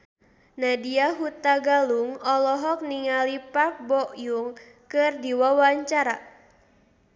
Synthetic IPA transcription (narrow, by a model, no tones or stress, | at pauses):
nadiaɦut̪aɡaluŋɔlɔɦɔk̚niŋalipak̚bɔʔjuŋ | kɨrdiwawaɲt͡ʃaɾa̰